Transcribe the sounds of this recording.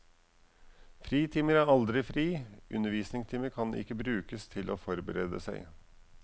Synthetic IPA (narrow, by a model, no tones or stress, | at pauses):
fɾiːt̪ʰiːməɾæɾɑld̪ɾɪfɾiːʔʉ̰nəʋiːsnɪŋt̪ʰiːməɾkʰɑnʔɪ̰kːəbɾʉːkəst̪ʰɪlʔoːfɔɾbəɾeːd̪ə̰sæɪ